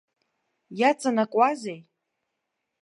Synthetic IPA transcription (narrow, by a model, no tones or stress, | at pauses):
jat͡sʼanakʷʼazej